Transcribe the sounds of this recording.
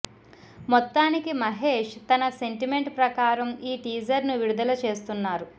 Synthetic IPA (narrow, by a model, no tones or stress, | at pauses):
mɔt̪ːaːnikimɐɦeːʂt̪ɐnɐse̞ɳʈime̞ɳʈpɾɐkaːɾɐmiːʈiːd͡ʒɐɾnuʋiɾud̪ɐlɐt͡ʃe̞ːst̪unːaːɾu